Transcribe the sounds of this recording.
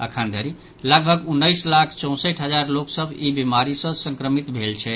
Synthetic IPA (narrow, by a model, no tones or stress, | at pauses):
ə̰kʰand̪ʱəɾi | laɡ̚bʱəɡunːəjslakʰt͡ʃɔ̃w̃səʈʰɦəd͡ʒaɾloksəbʱibimaɾisə̃sə̃ŋkɾəmit̪bʱelt͡ʃʰɛ